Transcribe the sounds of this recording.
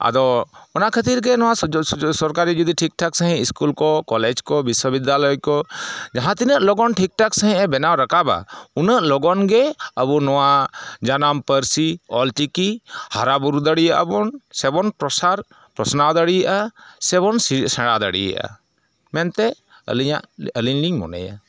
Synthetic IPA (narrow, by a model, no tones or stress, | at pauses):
a̰d̪ɔɔnaʔkʰət̪iɾɡɛnɔwasɔɾkaɾid͡ʒud̪iʈʰik̚ʈʰɔksəɦĩiskulkɔkɔlɛd͡ʒkɔbiswəbid̪jalɔjkɔd͡ʒaɦãt̪inəʔlɔɡɔnʈʰik̚ʈʰɔksəɦĩʔɛ̃bɛnawɾakaba̰unəʔlɔɡɔnɡɛəbunɔwad͡ʒanampəɾsiɔlʈikihaɾabuɾud̪əɽijaʔa̰bɔnsɛbɔnpɾɔsaɾ | pɾɔsnawd̪aɽijʔasɛbɔnssɛɽad̪ə̰ɽḭja̰ʔa̰ | mɛnt̪ɛ | ə̰liɲa̰ʔəliɲliŋmɔ̰nɛ̰ja̰